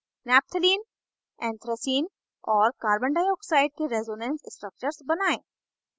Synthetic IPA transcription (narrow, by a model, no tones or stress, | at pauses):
nɛːp̚t̪ʰəliːn | ɛ̃ːnt̪ʰɾəsiːn | ɔːɾkaːɾbə̃ɳɖaːjɔːksaːɪɖ̚keɾezoːnɛ̃ːnssʈɾək̚t͡ʃəɾsbɐnaːẽː